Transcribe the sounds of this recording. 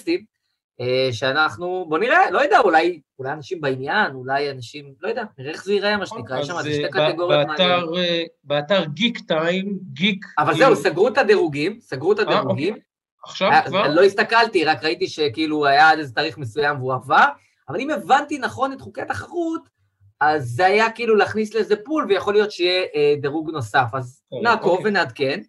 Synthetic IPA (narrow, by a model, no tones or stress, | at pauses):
st̪i | eʃeanaχnubo̞niʁelo̞jad̪aulajulajanaʃimbainjanulajanaʃimlo̞jad̪eaniʁeeχzeiʁaamaʃenikʁajeʃamazʃt̪akat̪eɡo̞ʁjjamaʁ | beat̪aʁɡikt̪ajmɡikavalzeusaɡʁut̪ad̪eʁuɡimsaɡʁut̪ad̪eʁuɡim | ʃaalo̞ist̪akalt̪iʁakʁait̪iʃe̞kiiluajaad̪ezet̪aːʁiχmesujamveuava | avalime̞vant̪inaχo̞net̪χukejat̪aχaʁut̪ | azːeajakiːlulaaχnisleezepulvejaχo̞lijo̞t̪ʃeijeʔd̪eʁuɡno̞safaz | naːko̞vvenead̪ke̞n